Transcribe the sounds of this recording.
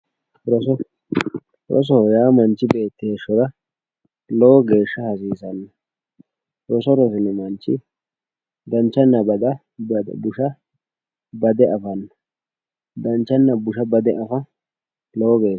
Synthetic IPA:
ɾɔsɔ | ɾɔ̰s̬ɔjaːmɐnt͡ʃːɪbe̞ːt̪ːɪeʃːɔɾɐ | lɔwːɡe̞ːʃːɐhɐsiːsɐnːɐ | ɾɔsɔɾɔsɪnɛmɐnt͡ʃːɪ | d̪ɐnt͡ʃːɐnːɐbɐd̪ɐ | b̰bʊʃɐ | bɐd̪ɛʔɐfɐnːɐ̥ | d̪ɐnt͡ʃːɐnːɐbʊʃɐbɐd̪ɛʔɐfɐ | lowːɡe̞ː

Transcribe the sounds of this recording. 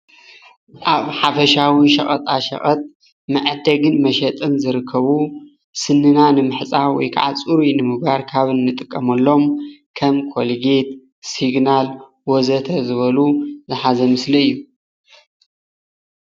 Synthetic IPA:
ʔaβħafɐʃawiʃɐχʼɐt̪ʼaʃɐ̰χʼɐt̪ʼ | mɐʕd̪ɐɡɨnmɐʃɐt̪ʼɨnzɨɾɨkʰːɐβu | sɨnːɨnanɨmɨħt͡sʼawɔ̰jkʰa̰ʕa̰t͡sʼuɾinɨmɨɡaɾkʰaβɨnːɨt̪ʼɨkʼːɐmɐlːo̞mkʰɐmkʰolɡet̪ | siɡnal | wɔzɐt̪ʰɐzɨβɐluzɨħazɐmɨslɐɨjːu

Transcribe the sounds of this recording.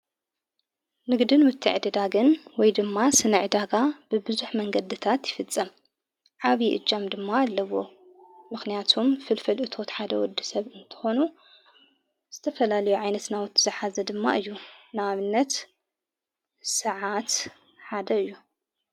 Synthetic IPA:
nɨɡd̪ɨnwʊt̪ʰːɨ̰ʕd̪ɨd̪aɡɨnwɔjd̪ɨmːasɨnɨʕɨd̪aɡab̥ɨbɨzuħmɐŋɡɐd̪ɨt̪ʰat̪jɪfɨt͡sʼːɐm | ʕaβiʔɨ̰d͡ʒʼamd̪ɨmːaːlːɐwo̞ | mɨxnijat̪ʰumfɨlfɐlʔɨt̪ʰo̞t̪ħad̪ɐwɔd̪ːisɐβɨnt̪ʰɨ̥xo̞nu | z̥ɨt̪ʰɐfɐlalɐjuʕajnɐt̪nawɨt̪ʰːɨzɨħazɐd̪ɨmːa̰ʔɨjːunaaβɨnːɐt̪ | sɨʕat̪ | ħad̪ɐɨjːu

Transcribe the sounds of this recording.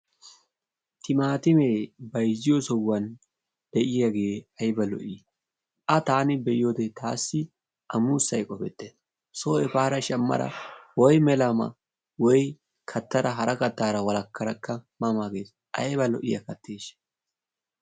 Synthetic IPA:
t̪ɪmaːt̪ɪmeːbɐjzːɪjɔsɔwːɐn | d̪̥ɛʔɪjaɡe̞ːɐjbɐlɔ̰ʔɪ | ʔɐt̪aːnɪbɛʔɪjoːd̪ɛt̪ʰaːsːɪ | ʔɐmuːsːɐjkʼɔfɛt̪ːe | soːʔɛpaːɾɐʃɐmːɐ̰ɾɐ̰wɔjmɛlɐmɐ̰ | wɔj | kʰɐt̪ːɐɾɐɦɐɾɐkɐt̪ːaːɾɐwɐlɐkʰːɐɾɐkʰːɐmɐmaɡeːs | ʔɐ̰jbɐlɔʔɪjɐ̰kɐt̪ːeːʃ

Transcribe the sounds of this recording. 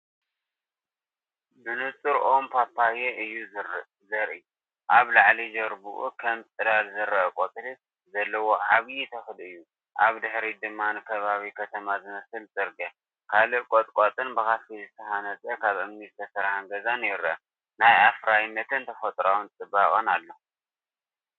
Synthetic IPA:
bɨnɨt͡sʼɨɾʔo̞mpʰapʰːajeʔɨjːu | zɐɾʔɨj | ʔaβlaʕlid͡ʒɐɾbuʔṵkʰɐmt͡sʼɨd̪alzɨɾɐkʼot̪ʼlɨt̪ | zɐlːɐwo̞ʕaβjit̪ʰɐxɨlɨjːu | ʔaβd̪ɨħɾid̪ɨmːanɨkʰɐβaβikʰɐt̪ʰɐmazɨmɐsɨlzʼɨɾɡɐ | kʰalɨkʼot̪ʼkʼot̪ʼɨnbɨxafizɨt̪ʰɐhanɐt͡sʼɐkʰaβɨmnizt̪ʰɐsɐɾhaŋɡɐzanjɪɾɐ̰ | najafɾajnːɐt̪ʰɨnt̪ʰɐfɐt̪ʼɾawunt͡sʼɨbakʼɐnalːo

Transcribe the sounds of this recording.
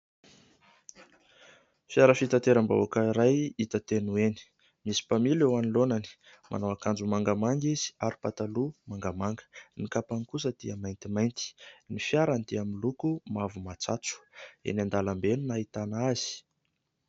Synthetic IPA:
fjaɾəfit̪at̪eɾamba̰akaiɾajit̪ət̪enueni̥ | misi̥pamilewanilonani̥ | mʔa̰nawakand͡ʒumaŋɡəmaŋɡiz̥i̥aɾi̥pat̪alumaŋɡəmaŋɡə̥nikapaŋkus̬əd̪iəmajnt̪imajnt̪i̥nifjaɾand̪iamilukumavumat͡sat͡su̥ḛnand̪alambenunait̪anaaz̥i̥

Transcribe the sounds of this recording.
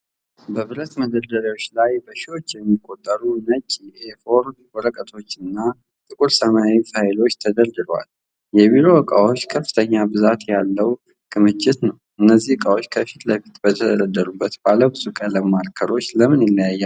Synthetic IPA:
bəβɨɾət̪məd̪əd̪əɾawo̞t͡ʃːlajbəʃiwo̞t͡ʃːjɛmːikʼːo̞t̪ʼːəɾunət͡ʃʼiefo̞ɾd̪wɔɾəkʼət̪ʰo̞t͡ʃːɨnːa | t̪ʼɨkʼuɾsəmaaifajɪlo̞t͡ʃːt̪ʰəd̪əɾd̪ɨlwa̰l | jɛβiɾo̞wəkʼa̰wo̞t͡ʃːkʰəfːɨ̥t̪ʰəɲːabɨzat̪jalːəw | ɡʰɨmɨt͡ʃːɪt̪nəw | ɨnːəzːihkʼawot͡ʃːkʰəfit̪ləfi̥t̪b̥ət̪ʰəd̪əd̪əd̪ːəɾubːət̪baləbɨzukʼaləmaɾkʰəɾo̞t͡ʃːləmɨnɪlːajajːa

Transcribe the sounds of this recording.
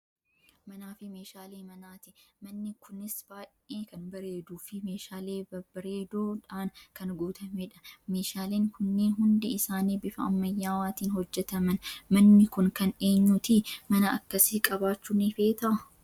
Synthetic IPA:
mɐnaːfɪmeːʃaːleːmɐnaːt̪ɪmɐnːɪkʰʊnɪsb̥aːʔeːkɐnbɐɾeːd̪uːfɪmeːʃaːleːbɐbɐɾe̞ːd̪oːᶑaːnkɐnɡuːt̪ʰɐmeᶑɐ̥me̞ːʃaːleːŋkʊnːeːnɦʊnd̪ɪɪsaːniːbɪfɐɐmːɐjːaːwaːt̪iːnhɔd͡ʒːɛt̪ɐmɐnmɐnːɪkʊnkɐneːɲːut̪ɪmɐnɐɐ̰kːɐsɪkʼɐbaːt͡ʃːunɪfe̞ːt̪ɐʔɐ

